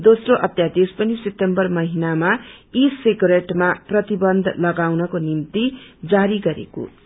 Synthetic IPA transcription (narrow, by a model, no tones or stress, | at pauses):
d̪osroʔʌt̪jad̪ispʌnisep̚t̪ːembʌrmʌɦinamaisikɾeʈmaprʌt̪ibʌnd̪ʱlʌɡawnʌkonimt̪id͡zaɾiɡʌɾḛko̰